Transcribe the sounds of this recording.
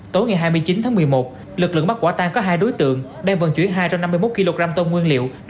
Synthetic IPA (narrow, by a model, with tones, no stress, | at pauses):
t̪o˨˦jŋa˨˩jɦaː˧jmɨ˧əjt͡ɕi˨˦nt̪ʰaː˨˦ŋmɨ˨˩əjmo˨˩t̚ | lɨ˨˩k̚lɨ̰˧˨ŋɓa˦˥t̚kwaː˧˩t̪aː˧ŋkɔ˨˦ɦaː˧jɗo˨˦jt̪ɨ̰˧˨əŋ | ɗɛː˧˩ŋvə̰˧˨˩nt͡ɕwi˧˩ənɦaː˧jt͡ɕa˧mna˧mːɨ˧jmo˦˥t̚ki˧lo˧ɣɾaː˧mt̪o˧nŋwi˧ənlḭ˧˨w